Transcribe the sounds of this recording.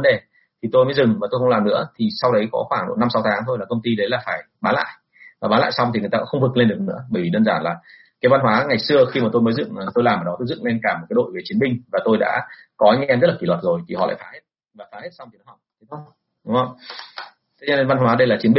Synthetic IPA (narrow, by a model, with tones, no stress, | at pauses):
ə˦nɗe˨˩ | t̪ʰi˨˩t̪o˧jməː˨˦zɨ˨˩ŋva˨˩o˧jxə˧wŋ͡mlaː˨˩mnɨ̰˧˥ət̪ʰi˨˩sa˧wɗə˨˦jkɔ˨˦xwaː˧˩ɗo̰˧˨na˧msa˨˦wt̪ʰaː˨˦ŋt̪ʰo˧jlaː˨˩kə˧ŋ͡mt̪i˧ɗə˨˦jlaː˨˩faː˧˩j | ɓaː˨˦la̰ː˧˨jʔ | vaː˨˩aː˨˦la̰ː˧˨sa˧wt̪ʰi˨˩ŋ˨˩jt̪aː˧kːxə˧wŋ͡mvɨ˨˩kle˧nɗɨ˨˩ək̚nɨ̰˧˥əɓəː˧˩jvi˨˩ɗəː˧nzaː˧˩nlaː˨˩ | kaː˨˦jva˧nɦwaː˨˦ŋa˨˩jsɨ˧əxi˧maː˨˩t̪o˧jməː˨˦jzɨ̰˧˨ŋː˨˩t̪o˧jlaː˨˩məː˨˩ɗɔ˨˦t̪o˧jzɨ̰˧˨ŋle˧nkaː˧˩m˨˩t̚kːa˨˦jɗo̰˧˨jve˨˩t͡ɕi˨˦ənmɓï˧ŋ̟vaː˨˩t̪o˧jɗa̰ː˧˥kɔ˨˦ʔa˧jŋ̟ʔʔɛ˧mzə˦˥t̚laː˨˩i˧˩lwə˨˩t̚zo˨˩jt̪ʰi˨˩hɔ̰˧˨l̰a̰ː˧˨jfaː˨˦he˦˥t̚ | vaː˨˩faː˨˦he˦˥t̚sa˧wŋ͡mt̪i˨nɔ˨˦ɦa˨˩wk͡p̚t̪ʰe˨˦˧ | ɗʊ˨˦ŋ͡mhə˧wŋ͡m | t̪ʰe˨˦ɲə˧e˧nva˧nɦwaː˨˦ɗə˧jlaː˨˩t͡ɕi˨˦ənɓi˧